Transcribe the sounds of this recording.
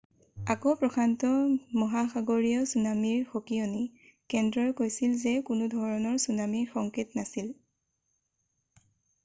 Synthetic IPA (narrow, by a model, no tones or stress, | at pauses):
akɔpɹɔkʰantɔmɔɦaxaɡoɹijɔsunamiɹxokioni | kɛndɹɔjkojsilzekʊnʊdʱɔɹɔnɔɹsunamiɹxɔŋketnasil